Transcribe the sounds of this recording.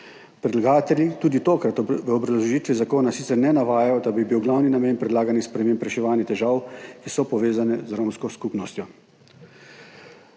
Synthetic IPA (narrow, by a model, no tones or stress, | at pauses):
pɾɛd̪laɡaːt̪ɛljit̪uːd̪it̪oːkɾat̪ʋəɔbɾazllɔʒiːt̪ʋizakoːnasit̪sɛɾnɛnaʋaːjajɔd̪abibiwɡlawninameːnpɾɛd̪laːɡanixspɾɛmeːmpɾɛʃɛʋaːnjɛt̪ɛʒaːwkisɔpɔʋeːzanɛzɾoːmskɔskupnɔst̪jɔ